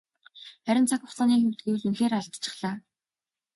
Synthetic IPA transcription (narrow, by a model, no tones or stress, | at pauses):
χæɾʲɪ̆nt͡sʰakʊχt͡saːniːxemt̪̚ɡewɘ̆ɮɵnxeːɾaɮt̪t͡ɕʰɪ̥̆χɮaː